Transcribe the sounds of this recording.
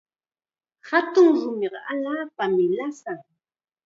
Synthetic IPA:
hat̪ʊŋɾʊmeɢɑʔaʎaːpamɪlasaŋ

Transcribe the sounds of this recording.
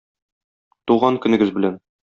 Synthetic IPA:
t̪uʁɑŋkɵ̆nɘ̆ɡɘzbɘ̆læn

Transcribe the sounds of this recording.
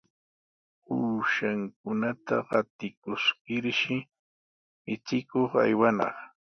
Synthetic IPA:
uːʃaŋk̚ʊnat̪a̰ɢɑt̪ɪkʊskɪɾʃɪ | mɪt͡ʃɪkoχa̰jwanɑ̰χ

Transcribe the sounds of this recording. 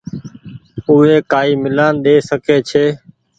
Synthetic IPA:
ʊɦeːkaːiːmɪlaːnɗ̪eːsəkeːt͡ʃʰeː

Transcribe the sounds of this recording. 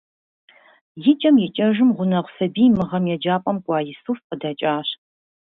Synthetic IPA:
jɪt͡ʃʼɐmjɛt͡ʃʼɐʒɨmʁʷʊnɐʁʷsɐbiːmɨʁɐmjɛd͡ʒaːpʼɐmkʷʼɑːjɪsufqədaːt͡ʃʼaːɕ

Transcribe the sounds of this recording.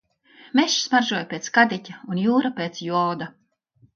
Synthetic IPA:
meʃsmaɾʒuɔjpʲeːt̪skad̪ʲicʲaunjuːɾapʲeːt̪sjuɔwd̪a

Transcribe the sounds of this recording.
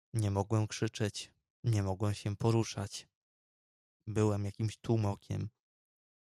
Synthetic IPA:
ɲɛmɔɡwɛmkʂɘt͡ʂɛt͡ɕ | ɲɛmɔɡwɛmɕɛpɔɾuʂat͡ɕ | bɘwɛmjakʲimɕt̪wumɔkʲɛ̰m

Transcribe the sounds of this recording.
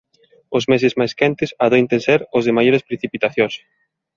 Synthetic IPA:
ʊzmes̬ɪzmajskɛnt̪ɪsaðejnt̪ẽnsɛɾʊzðɪmajoɾespɾeθipit̪aθjos

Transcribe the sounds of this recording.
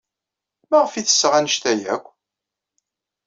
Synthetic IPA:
mæʁəfiθə̥sːəʁænəʃt̪æjæ̰kʷː

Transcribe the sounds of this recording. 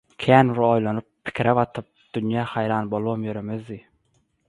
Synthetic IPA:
kʲʰæːnɾojlˠɑnɯpʰːɪ̥kʰʲɾaβɑt̪ʰɯp̚d̪̥ynjɑːhæjɾɑːnbolˠomjøɾemezd̪i

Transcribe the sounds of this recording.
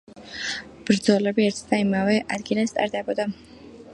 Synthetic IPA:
b̥ɾd̪zɔlɛbiɛɾt̪ʰd̪aimavɛʔad̪ɡilast̪ʼa̰ɾd̪ɛbɔd̪a

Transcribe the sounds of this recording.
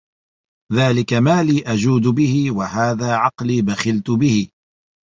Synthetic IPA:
ðaːlɪkamaːliːʔad͡ʒuːd̪bɪhɪwahaːðaːʕɑqliːbaxɪlt̪ʊbɪhɪ

